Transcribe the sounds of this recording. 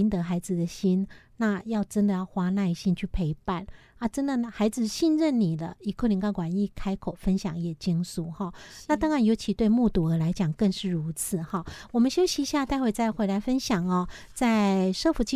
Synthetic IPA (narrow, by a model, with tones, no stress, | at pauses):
nt̪ə˧˦xa˧˥ɪd͡zɹ̩˨d̪ə˨ɕi˥nna˥˧jɑ˥˩ʊʈ͡ʂə˦˥nd̪ə˨jɑ˥˩ʊxwa˥na˥˧i˧˩ɕi˥˦nt͡ɕʰy˥˩pʰe˧˥ɪpa˥˩na˥˩ʈ͡ʂə˦˥nd̪ə˨xa˧˥ɪd͡zɹ̩˨ɕi˥˧nɻə˥˩nni˨˩lə˦i˧˨˩kʰo˥˩li˧ŋkɑ˥kwa˨˩ni˥˩kʰa˥ɪkʰo˨˩ʊfə˥nɕjɑ˨˩˦ŋjɛ˨˩t͡ɕi˥ŋsu˨˩˦xɔ˥˩na˥˨t̪ɑ˥ŋɻa˨˧˦njo˧˥ʊt͡ɕʰi˧˥t̪we˥˧ɪmu˥˧t̪u˧˩ə˧˥la˧˥ɪt͡ɕjɑ˨˩ŋkə˥˧ŋʂɻ̩˥˩ɻu˧˥t͡s̩ʰ˨˩˦xɔ˥˩wɔ˨mə˨˦nɕjo˥ʊɕi˧ɕja˥˧t̪a˥˧ɪwe˥˩ɪt͡sa˥˩ɪxwe˧ɪla˧˥ɪfə˦˥nɕjɑ˨˩ŋɔ˩ | t͡sa˥˩ɪʂɤ˥˧fu˧˥t͡ɕi˥˧